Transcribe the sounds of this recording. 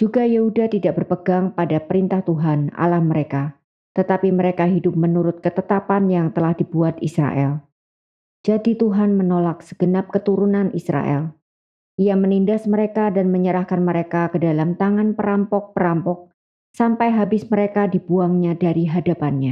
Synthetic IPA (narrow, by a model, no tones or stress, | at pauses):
d͡ʒ̥uɡajehudat̪idaʔ̚bərpəɡaŋpadapəɾint̪aht̪uɦana̰lahməɾeka | t̪ət̪apiməɾekaɦidʊp̚mənuɾʊt̪̚kət̪ət̪apanjaŋt̪əlahdibuat̪̚isɾa̰ʔɛ̰l | d͡ʒadit̪uɦanmənolak̚sə̥ɡ̥ənap̚kət̪uɾunanʔisɾa̰ʔɛ̰l | ʔijamənindasməɾekadanməɲəɾahkanməɾekakədalamt̪aŋanpəɾampɔk̚pəɾampɔk̚ | sampajɦabɪsməɾekadibuaŋɲadaɾiɦadapanɲa